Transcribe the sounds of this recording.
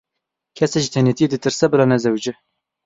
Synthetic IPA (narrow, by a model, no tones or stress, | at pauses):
kʰɛsɛʒit̪ʰɛnet̪ijed̪ɨt̪ɨɾsɛbɨlɑːnɛzɛwd͡ʒɪ